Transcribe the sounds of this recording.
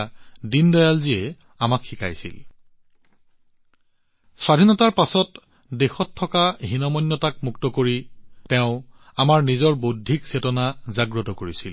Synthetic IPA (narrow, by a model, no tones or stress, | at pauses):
dindɔjalziɛ | amakxika̰jsḭl | swadʱinɔtaɹpasɔt | dexɔtʰːɔkaɦinɔmɔjnːɔtak̚muktɔkoɹitɛʊ̃ | amaɹnizɔɹbodʱiksetɔnazaɡɹɔtɔkoɹisil